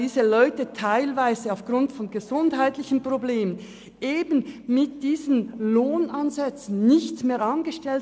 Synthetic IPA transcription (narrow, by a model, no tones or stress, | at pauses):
iːzəlɔʏtətʰaɪlvaɪzəaʊfɡ̥ʁʊntfɔnɡəzʊndhaɪtlɪçən̩pr̥obleːmən | ʔeːbn̩mɪt̚d̥iːzənloːnʔanzɛt͡sn̩ːɪçtmeːɐɑnɡəʃtɛl